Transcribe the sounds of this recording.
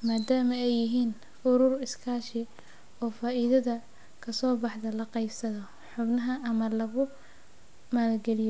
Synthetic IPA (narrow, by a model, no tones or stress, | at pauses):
maːd̪aːmɐɛjːɪɦiːn | ʊɾʊrɪskʰaːʃɪ | ɔːfaːʔiðɐðɐ | kʰɐsɔːbɑħðɐlɐqɑjbsɐðɔ | ħʊbnɐɦɐɐmɐlɐɣʊ | mɐlɐɡɛlɪjɔ